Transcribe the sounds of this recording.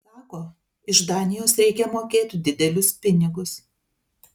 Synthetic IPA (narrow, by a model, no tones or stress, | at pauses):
sɑːkoː | ɪʒd̪ɑːnʲɪjoːsɾʲɛɪkʲɛmoːkʲeːt̪ʲʊd̪ʲɪd̪ʲɛlʲʊspʲɪnʲɪɡʊs